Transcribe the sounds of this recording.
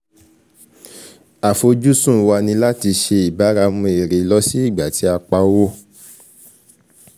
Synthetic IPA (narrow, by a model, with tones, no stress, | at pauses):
a˨fo˧d͡ʒu˦sũ˦˨˧wa˧nĩ˧la˦ti˧ʃe˧i˨ba˨˦ɾa˧˦mũ˧e˨ɾe˨˦lɔ˦si˦i˦˨ɡ͡ba˨ti˨˦a˧k͡pa˧˦wo˦